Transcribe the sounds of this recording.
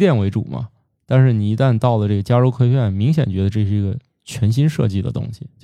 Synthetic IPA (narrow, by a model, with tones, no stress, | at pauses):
t̪jɛ˥˩nwe˧˥ɪʈ͡ʂu˨˩mɐ̰˦ | t̪a˥˧nʂɻ̩˥˩ni˨˩i˧˥t̪a˥˧nt̪ɑ˥˩ʊlə˩ʈ͡ʂɤ˥˩ɡə˩t͡ɕja˥ʈ͡ʂo˥ʊkʰwe˥ɪɥɛ˥˩nmi˧˥ŋɕjɛ˨˩nt͡ɕɥɛ˧˥d̪ə˧ʈ͡ʂɤ˥˧ʂɻ̩˥˩i˧˥ɡə˧ | t͡ɕʰɥɛ˧˥nɕ̬i˥nʂɤ̰˥˧t͡ɕi˥˩d̪ə̰˩t̪ʊ̰˥ŋɕi˨˩t͡ɕ